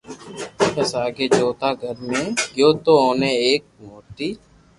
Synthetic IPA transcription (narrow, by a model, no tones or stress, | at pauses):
pəsaːɡeːd͡ʒoːt̪aːɡʱəɾmẽːɡjoːt̪oːoːneːeːk̚moːʈ̪iː